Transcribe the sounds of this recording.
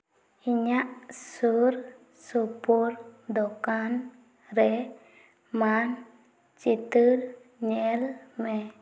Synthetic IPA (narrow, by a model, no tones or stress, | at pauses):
iɲaʔsuɾ | supɔɾd̪ɔkan | ɾɛ | man | t͡ʃit̪ɨɾ | ɲɛlmɛ